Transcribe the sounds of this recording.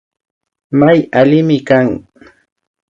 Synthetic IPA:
majalɪmɪkaŋ

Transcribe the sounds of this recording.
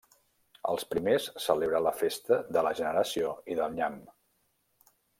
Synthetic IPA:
ə̰lˠspɾimesːəleβɾələfest̪əðələʒənəɾəsioiðəlˠɲam

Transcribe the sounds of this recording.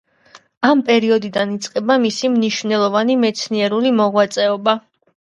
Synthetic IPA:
ampʼɛɾiɔd̪id̪anit̪sʼqʼɛbamisimniʃvnɛlˠɔvanimɛt̪sʰniɛɾulimɔʁwat̪sʼɛɔba

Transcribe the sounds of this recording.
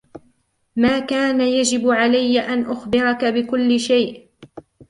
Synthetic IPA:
maːkaːnajad͡ʒɪbʕalajːaʔanʔʊxbɪɾˤɑkabɪkʊlːɪʃajʔ

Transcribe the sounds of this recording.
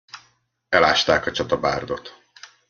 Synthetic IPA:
ɛlaːʃt̪aːkɒt͡ʃɒt̪ɒba̰ːrd̪o̞t̪

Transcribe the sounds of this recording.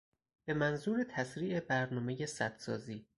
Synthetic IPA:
b̥e̞mænzuːɾet̪ʰæsɾiːʔe̞bæɾnɒːme̞je̞sæd̪̥sɒːziː

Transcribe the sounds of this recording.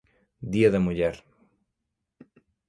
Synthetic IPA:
d̪iɐðɐmuʎɛɾ

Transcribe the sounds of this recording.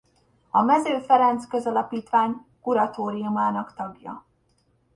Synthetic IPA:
ɒmɛzøːfɛɾɛnt̪skøzɒlɒpiːt̪ʋaːɲkuɾɒt̪oːɾijumaːnɒkt̪ɒɡjɒ̰

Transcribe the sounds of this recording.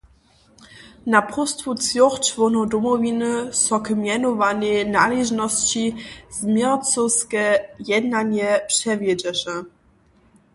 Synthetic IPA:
napɔst̪futt͡sjɔχt͡ʃvɔnɔd̪ɔmɔvʲinɘsɔkmʲjɛnɔvanɛnaliʒnɔst͡ɕiz̥mʲjɛt͡sɔskɛjɛd̪naɲɛpʂɛvʲjɛd͡ʑɛʂɛ

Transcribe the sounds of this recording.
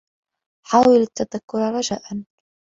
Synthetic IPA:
ħaːwɪlat̪ːaðakːʊɾɾˤɑd͡ʒaːʔan

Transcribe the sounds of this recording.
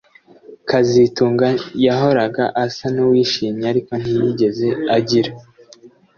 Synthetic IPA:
kazituːŋɡajaɦo̞ɾaɡaʔasanuwiːʃiːmɲeaɾiko̞n̥hijiɟe̞ze̞aɟiɾa

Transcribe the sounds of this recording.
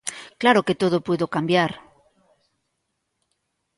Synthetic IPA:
klaɾoket̪oðopweðokambjaɾ

